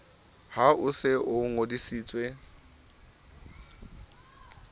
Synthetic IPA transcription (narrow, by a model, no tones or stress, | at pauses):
haʔʊsɪʔʊŋodisiːt͡sʼwe